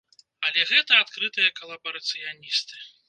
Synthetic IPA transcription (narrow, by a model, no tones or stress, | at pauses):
ɐlʲɛɣɛt̪ɐat̪kɾɨt̪ɨjɐkɐlˠɐbɐɾɐt̪sɨjanʲist̪ɨ̥